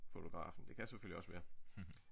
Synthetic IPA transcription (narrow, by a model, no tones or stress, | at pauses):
fo̝t͡sʰo̝ɡ̥ʁɑ̰̈ːfn̩d̥e̝kʰæseføliɒ̽sʋæːɐ